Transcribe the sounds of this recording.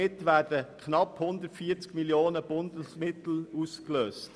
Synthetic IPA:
ɪtʋæːdəkʰχnɑphʊnd̪ətfiːəɾt͡skmiljoːnəb̥ʊndəsmɪt̪l̩uːskløːst

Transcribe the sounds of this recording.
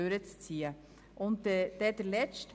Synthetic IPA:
øːɾət͡st͡siːə | ʔʊnt̪d̥̪ɛd̥̪əɾlɛt͡st

